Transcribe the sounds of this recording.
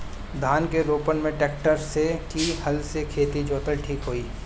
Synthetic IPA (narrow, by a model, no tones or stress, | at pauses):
d̪ʱaːnkeɾoːpənmẽʈɛːkʈəɾsːekihɐlsekʰeːt̪id͡ʒoːt̪əlʈʰiːkɦoːiː